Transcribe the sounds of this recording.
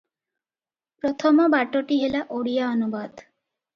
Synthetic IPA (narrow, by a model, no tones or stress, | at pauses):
pɾɔt̪ʰɔmɔbaʈoʈiɦelaʔoɽijaɔnubad̪